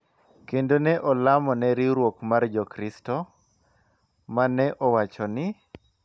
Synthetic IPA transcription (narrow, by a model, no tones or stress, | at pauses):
kendonɛʔɔlamɔnɛɾiɾwokmard͡ʒɔkɾistɔ | manːɛʔɔwat͡ʃɔnɪ